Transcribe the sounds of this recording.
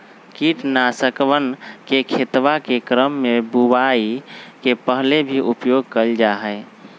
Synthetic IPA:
kiʈnasəkʋənkekʰet̪ʋakekɾəmːebubaikepəɦlebʱiʔupjoɡ̚kəld͡ʒaɦəɪ

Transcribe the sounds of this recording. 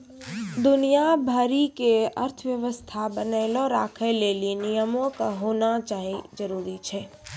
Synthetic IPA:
d̪ʊnijabʱəɾikeə̰ɾt̪ʰəʋjəʋəst̪ʰabənəɪloɾa̰ːkʰəlelienijəmõkaɦoːnat͡ʃaːɦid͡ʒəɾuːɾit͡ʃʰɛː

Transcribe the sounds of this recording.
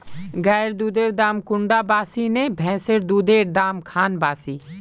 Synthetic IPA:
ɡɛːɾd̪uːd̪eːɾd̪aːmkʊɳɖaːbaːsiːnẽːbʱɛ̃ːseɾd̪uːd̪eːɾd̪aːmkʰaːnbaːsiː

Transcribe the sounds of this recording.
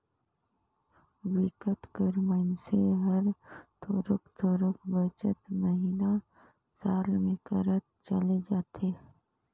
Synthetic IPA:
wɪkəʈkəɾmənseɦɐɾt̪ʰoːɾʊkt̪ʰɔːɾʊkbət͡ʃət̪məɦiːna | saːlmẽkəɾət̪̚t͡ʃəled͡ʒaːt̪ʰeː

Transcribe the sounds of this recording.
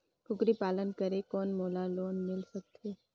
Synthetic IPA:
kʰʊkɾipaːlənkɐɾekɔːnmoːlaloːnmɪlsɐk̚t̪ʰeː

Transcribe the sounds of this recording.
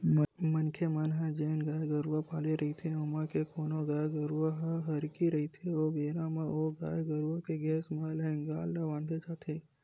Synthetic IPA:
mənkʰemanɦãd͡ʒeːnɡaːjɡəɾʋapaːleɾɐɦit̪ʰeomãkekoːnoɡaːjɡəɾuʋaɦaɦɐɾkiɾɐɦit̪ʰeoʋeːɾãmãoɡaːjɡəɾʋokeɡɛːsmãlenɡaːlnaʋãːnd̪et͡ʃaːt̪ʰe

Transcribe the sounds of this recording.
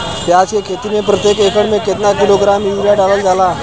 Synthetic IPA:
t̪jat͡skekʰet̪inepɾət̪jekekəɽmẽket̪nakiloɡɾamjuʋɾjaɖaʋəld͡zala

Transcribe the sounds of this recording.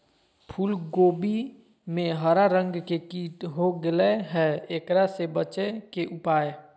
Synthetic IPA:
pʰuːlɡoːbi | mẽɦəɾaɾə̃ŋɡkekiːʈɦoɡɪleɦɛeːkɾasebət͡ʃekeʔʊpaːe

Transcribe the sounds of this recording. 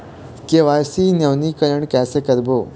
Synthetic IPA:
keʋaːsiːnɐʋnikəɾəɳ̃kɛːsekəɾboː

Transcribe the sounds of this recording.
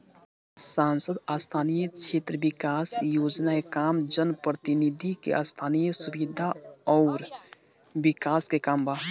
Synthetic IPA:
saːnsəd̪aːst̪ʰaːnijət͡ʃʰeːt̪ɾəbɪkaːsjoːd͡ʒnaekaːmd͡ʒənpɾət̪inid̪ʱikḛʔa̰st̪ʰaːnijəsubid̪ʱaɔʊɾ | bɪkaːskekaːmba

